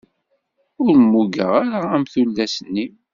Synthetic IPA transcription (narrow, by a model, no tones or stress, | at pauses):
ʊɾmːuɡə̰ʁaɾaæmθulːæsənːi